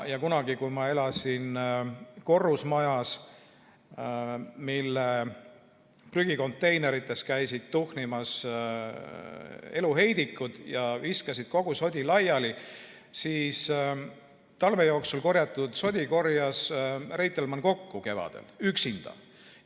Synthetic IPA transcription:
jɑkunɑɡikujmɑe̞lɑsin | ko̞rːusmɑjɑs | milːe | pryɡ̥iko̞nt̪ːˑe̞jne̞ɾit̪ːˑe̞skæjsid̪̥t̪uhnimɑs | e̞luɦe̞jd̪ikːˑud̪̥jɑviskɑsid̪̥̚ko̞ɡ̥uso̞d̪ʲilɑjɑli | siːs | t̪ɑlve̞jo̞ːksulko̞ɾjɑt̪ːˑud̪̥so̞d̪ʲiko̞rjɑsrejt̪ːˑelmɑnko̞kːuke̞vɑ̰d̪̥ḛlyksind̪̥ɑ̰

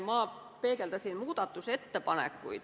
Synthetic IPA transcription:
mɑː | peːkelt̪æsinmuːt̪ɑt̪ːuset̪ːæpɑnḛkːṵi

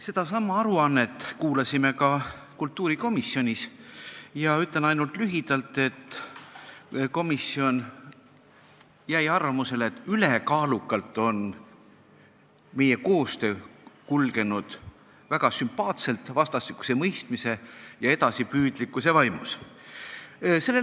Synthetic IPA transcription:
se̞d̪̥ɑsɑmːɑɑɾuɑnːe̞t̪ːˑkuːlɑsime̞kɑkult̪ːˑuːɾiko̞miso̞nʲis | jɑyt̪le̞nɑjnult̪lyɦid̪̥ɑlt̪ːˑe̞t̪ːˑ | ko̞misːio̞n | jæjɑrvɑmuse̞leet̪ːˑylekɑːlukːɑlt̪ːˑo̞n | me̞je̞ko̞ːst̪ø̞ːkulɡe̞nud̪̥ | væɡ̥ɑsympɑːt̪se̞lt̪vɑst̪ɑst̪ikːˑu̥se̞mɤjst̪mise̞jɑe̞d̪ɑsipyːd̪̥likːˑuse̞vɑjmus | se̞lːe

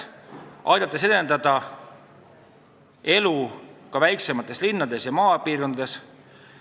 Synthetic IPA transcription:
ʔɑ̰jd̪̥ɑt̪ːˑese̞d̪e̞nd̪ɑd̪̥ɑ | e̞lukɑvæjkse̞mɑt̪ːˑe̞slinːɑd̪e̞sjɑmɑːpiːrkonɑd̪e̞s

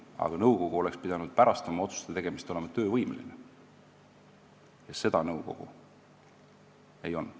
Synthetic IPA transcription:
ɑ̰ɡ̥ɑnɤwko̞ɡ̥uo̞le̞kspid̪̥ɑnud̪̥̚pæɾɑst̪ɑmɑo̞t̪su̥st̪et̪e̞ɡ̥e̞mist̪o̞lemɑt̪ø̞ːvɤjmḛlḭne | jɑse̞d̪̥ɑnɤwko̞̰ɡ̥ṵ | ejo̞n

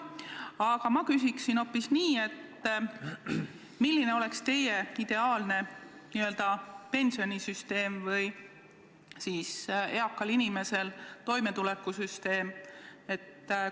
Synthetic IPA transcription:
ɑɡ̥ɑmɑkysiksino̞pːisniːe̞t̪ː | milːine̞o̞le̞kst̪e̞jeid̪̥e̞ɑːlne̞niø̞ld̪̥ɑpe̞nsio̞nisyst̪e̞ːmvɯj | siːse̞ɑkːɑlinime̞se̞lt̪o̞jme̞t̪ulekːˑusyst̪e̞ːme̞t̪ː

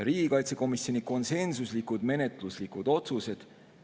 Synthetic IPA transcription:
ɾiːɡ̥ikɑjt̪se̞ko̞misjo̞niko̞nse̞nsuslikud̪me̞net̪ˑluslikud̪̥o̞t̪suse̞d̪̥

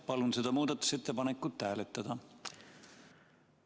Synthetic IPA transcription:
pɑlunse̞d̪̥ɑmuːd̪̥ɑt̪ːˑu̥se̞t̪ːepɑnekːut̪ːæːlet̪ːˑɑd̪̥ɑ

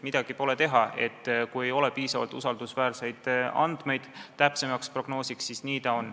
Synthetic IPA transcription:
mid̪̥ɑɡ̥ipo̞le̞t̪e̞ɦɑʔe̞̰t̪ːkuje̞jo̞lɛpiːsɑvɑlt̪ːˑusɑld̪̥usvæːɾse̞jd̪̥ɑ̰nd̪̥me̞jd̪̥t̪æpse̞mɑkspro̞ɡ̥no̞ːsiksːisniːt̪ɑon

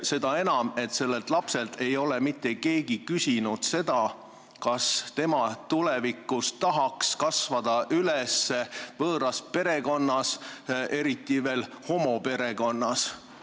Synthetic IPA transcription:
se̞d̪ɑe̞nɑme̞t̪se̞lːe̞lt̪ˑlɑpse̞lt̪ʰe̞jo̞le̞mit̪ˑːe̞ke̞ːɡikysʲinud̪̥se̞d̪̥ɑ | kɑst̪e̞mɑt̪ulɛvikːˑust̪ɑɦɑkskɑsvɑd̪̥ɑʔylesːe̞vɤːɾɑspe̞ɾe̞ko̞nːɑse̞ɾit̪ˑːive̞ːl | ho̞mo̞pe̞ɾe̞ko̞nːɑs

